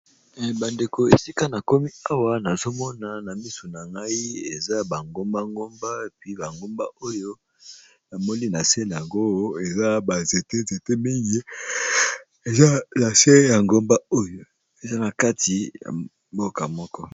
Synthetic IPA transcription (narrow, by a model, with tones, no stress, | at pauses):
ba˨nde˨ko˨e˨si˦ka˦na˨ko˦mi˦a˦wa˨na˨zo˦mɔ˦na˨na˨mi˦so˨na˨ŋɡa˦i˦e˨za˦ba˨ŋɡo˦mba˦ŋɡo˦mba˦e˨pi˦ba˨ŋɡo˦mba˦o˦jo˦ | na˨mo˦ni˦na˨se˦la˨ŋɡo˦jo˦e˨za˦ba˨ze˨te˦ze˨te˦mi˦ŋɡi˦ | e˨za˦na˨se˦ja˨ŋɡo˦mba˦o˦jo˨ | e˨za˦na˨ka˦ti˨ja̰˨ | mbo˦ka˨mɔ˦kɔ˦